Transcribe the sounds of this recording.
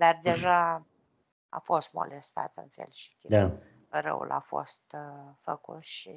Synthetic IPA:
d̪ard̪e̞ʒa | afo̞st̪mo̞̰lest̪a̰t̪ɨnfḛlʃi̥kʲd̪a | rə̰wṵlʔafo̞̰st̪fəkut̪ʃi

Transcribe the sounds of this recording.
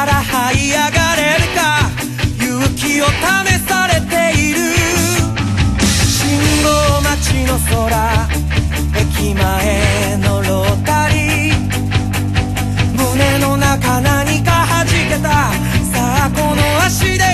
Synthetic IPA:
ɾahaiaɡaɾe̞ɾɯ̟ka | jɯkʲio̞t̪ame̞saɾe̞t̪e̞iɾɯ̟ | ɕĩŋɡomat͡ɕino̞so̞ɾa | e̞kʲima | e̞ | no̞ɾot̪aɾʲi | mɯme̞no̞nakanaɲ̟ikahaʑike̞t̪a | sako̞no̞aɕid̪e

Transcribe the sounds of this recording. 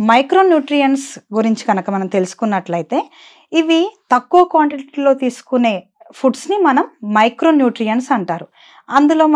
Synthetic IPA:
mɐjkɾoːnjuːʈɾijɐnsɡuɾiɲt͡ʃiɡɐnɐkɐmɐnɐmt̪e̞lusu̥kunːɐʈlɐjit̪e̞ː | iʋit̪ɐkːuʋɐkʋaːɳʈeʈʈlo̞ːt̪iːsu̥kune̞ː | pʰuɖsnimɐnɐmːɐjkɾo̞ːnjuːʈɾijɐnsɐɳʈaːɾu | ɐnd̪ulo̞ː

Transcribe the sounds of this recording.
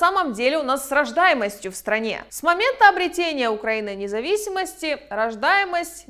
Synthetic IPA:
saməmdʲelʲɪʊnasːrɐʐd̪ajɪməsʲtʲjʊfst̪ɾɐnʲe̞̰smɐmʲe̞nt̪əɐbɾʲɪtʲenʲɪjəʊkɾɐinɨnʲɪzɐvʲisʲɪməsʲtʲɪɾɐʐd̪ajɪməsʲtʲ

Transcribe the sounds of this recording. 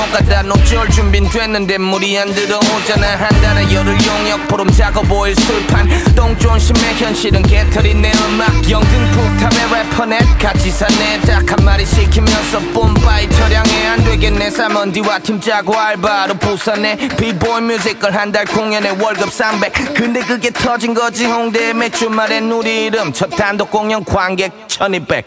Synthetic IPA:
okatanot͡ɕiɭt͡ɕumbintwenːɯndemuɾiandɯɾʌŋod͡ʑananɦandanejʌɾɯɭjoŋjʌk̚pʰɯɾɯmt͡ɕaɡoboiɭsɯɭpʰantoŋt͡ɕoŋɕʰimːeçjʌnɕiɾɯnketʰɯɾineɯmak̚jʌŋdɯnpʰok̚tʰabeɾepʰʌnet̚kat͡ɕʰisʰanetakʰanmaɾiɕʰikʰimjʌnsʰʌpompait͡ɕʰʌɾjaŋeandweɡenːesamʌndiwatʰimt͡ɕaɡoaɭbaɾopusʰanepiboimjuzikɯɭɦandaɭkoŋjʌnewʌɭɡɯp̚s͈ambek̚kɯndekɯɡetʰʌd͡ʑinɡʌd͡ʑihoŋdemet͡ɕumaɾenuɾiɾɯmt͡ɕʰʌt̪ʰandok͈oŋjʌŋkwaŋɡek̚t͡ɕʰʌnipek̚

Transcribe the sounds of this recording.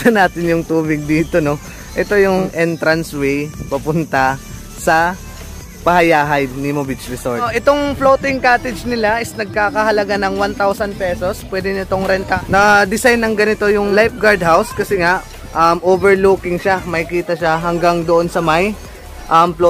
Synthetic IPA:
sɐnaːt̪ɪnjʊŋt̪uːbɪɡ̚d̪iːt̪o̞no̞ | ʔɛt̪o̞jʊŋʔɛnt̪ɾɐnswɛjpɐpʊnt̪ɐ | sɐ | pɐhɐjaːɦɐjnɪmobɪt͡ʃɾɪso̰ɹʔʔɛt̪oŋflowt̪ɪŋkaːt̪ɛd͡ʒnɪlaʔɪsnɐɡ̚kaːkɐɦɐlɐɡanɐŋwant̪awsɐnpɛso̞spwɛːd̪ɪnɪt̪o̞ŋɾɛnt̪ɐnɐd̪ɪsajnːɐŋɡɐnɪt̪o̞jʊŋlajp̚ɡaɹd̪̚ɦawskɐsɛŋaʔ | ʔɐmʔoːbɛɹlukɪŋʃamɐjkiːt̪ɐʃaɦɐŋɡaŋd̪oʔo̞nsɐmaj | ʔɐmplo

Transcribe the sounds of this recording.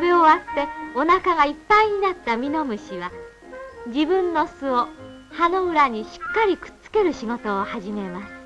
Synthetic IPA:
beoβat̪ːe̞o̞nakaɡaipːaiɲ̟inat̪ːamʲino̞mɯ̟ɕiβa | d͡ʑibɯ̟̃nːo̞sɨo | hano̞ɯ̟ɾaɲ̟iɕi̥kːaɾʲikɯ̥t͡sɨ̥ke̞ɾɯ̟ɕiɡo̞t̪o̞ːhaʑime̞masɨ̥

